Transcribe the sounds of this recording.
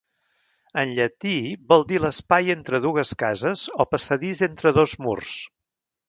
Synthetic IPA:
ənʎət̪ibɔlˠd̪iləspajent̪ɾəðuɣəskazəzɔpəsəðizent̪ɾəðozmṵrs

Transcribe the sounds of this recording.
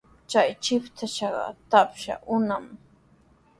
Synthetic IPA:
t͡ʃajt͡ʃɪpt̪ʰaʃɑɢɑ̰t̪apʃa̰ʔʊnam

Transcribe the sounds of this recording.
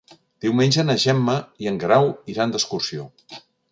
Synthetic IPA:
d̪̥iwmenʲd͡ʒənəʒɛmːəiəŋɡɾawiɾand̪əskursio

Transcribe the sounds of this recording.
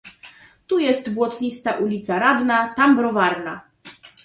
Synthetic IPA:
t̪ujɛst̪bwɔt̪ɲʲist̪aʔulʲit̪saɾad̪nat̪ambɾɔvaɾna

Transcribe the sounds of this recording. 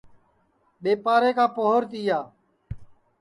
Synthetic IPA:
ɓeːpaːɾeːkaːpoɦʊɾt̪iːjaː

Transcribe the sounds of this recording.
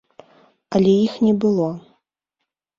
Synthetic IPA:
ɐlʲɛjixnʲɛbɨlˠɔ

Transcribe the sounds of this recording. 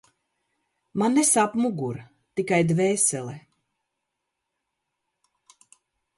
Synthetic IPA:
manːɛsapmuɡuɾ | t̪ikajd̪vɛːsɛlɛ

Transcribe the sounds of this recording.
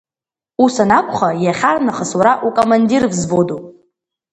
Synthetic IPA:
usanakʷʰʼχajaχʲarnaχəswaɾaʔukʼomandirvzbodupʼ

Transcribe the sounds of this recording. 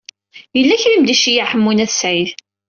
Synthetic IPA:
jəlːæçləmd̪iʃijaħəmːunæθsʕið

